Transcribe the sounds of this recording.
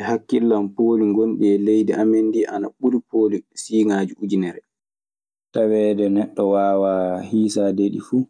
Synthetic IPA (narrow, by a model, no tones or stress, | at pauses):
hakːilːampoːliŋɡonɓɛlejdɛʔamenːdiʔana̰ɓulupolisiːŋaːd͡ʒuʔud͡ʒinɛɾɛ | tawɛːdɛnɛɗːɔwaːwahiːsadeɗifuː